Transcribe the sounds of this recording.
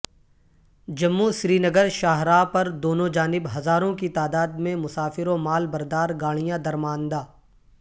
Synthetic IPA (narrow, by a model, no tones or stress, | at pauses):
d͡ʒɐmːusɾiːnɐɡəɾʃaːɦɾaːpɐɾd̪oːnõd͡ʒaːnɪbɦɐzaːɾõkit̪aːd̪aːd̪mẽmʊsaːfɪɾomaːlbɐɾd̪aːɾɡaːɽ̃ijãd̪ɐɾmaːnd̪aː